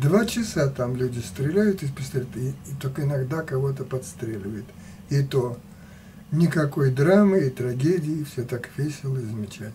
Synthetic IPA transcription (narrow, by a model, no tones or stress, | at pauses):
d̪vat͡ɕɪsat̪amlʲudʲɪst̪ɾʲɪlʲæjʊt̪ɪpst̪ʲt̪ɪt̪okəɪnɐɡd̪akɐvo̞t̪əpɐt̪st̪ɾʲelʲɪvəjɪt̪ | ɪt̪o | nʲɪkɐkojd̪ɾamɨɪt̪ɾɐɡʲedʲɪɪfsʲot̪akvʲɪsʲɪlˠəɪzəmʲɪt͡ɕæ